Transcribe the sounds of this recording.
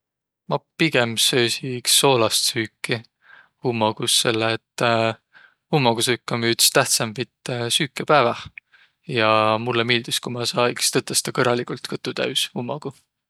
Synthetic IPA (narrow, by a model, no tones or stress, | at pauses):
mɑpiɡ̥e̞msø̞ːsiksːo̞ːlɑst̪syːkːi | humːɑɡ̥usːe̞lːeːt̪ː | umːɑɡ̥usɨkːɑmyːd̪i̥st̪æht̪sɑmpit̪ˑːsyːkːˑepæːvɑ | jɑmulːemeːld̪̥iskumɑsɑːjkst̪ɤt̪ːˑɑst̪ɑkɤɾːɑlikult̪kɤt̪ːˑut̪æ̰ɥshumːɑɡ̥u